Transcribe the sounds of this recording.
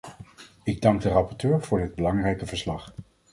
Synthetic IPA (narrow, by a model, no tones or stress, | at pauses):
ɪɡ̚dɑŋɡ̚dərɑpɔɹtøːɹv̥ʊːɹdɪd̚bəlɑŋrɛjkəvəɹslɑχ